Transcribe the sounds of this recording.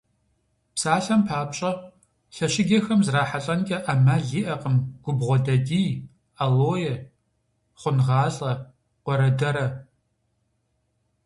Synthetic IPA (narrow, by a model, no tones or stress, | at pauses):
psaːɬɐmpʰaːpɕʼɐ | ɬɐʃɪɡʲɐxɐmzraːħaɬʼɐnkʲʼɐʔamaɮiːʔɐqʼəmɡ̥ʷʊbʁʷɔdɐdiː | aloːjɛ | χʷʊnʁɑːɬʼɐ | qʷɔɾɐdɐɾɐ